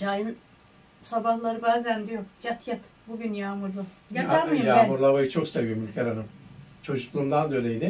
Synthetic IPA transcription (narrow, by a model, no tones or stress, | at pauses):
d͡ʒajɯn | sabahlˠaɾɯbaːzænd̪ijoɾjat̪ʰjat̪ | buɟynjaːmuɾlˠujaɯjaːmuɾlˠaβajɯt͡ʃʰo̞ksevijmylʲcʰeɾanɯmt͡ʃʰo̞d͡ʒuklˠuːmd̪and̪ølʲejd̪ɪ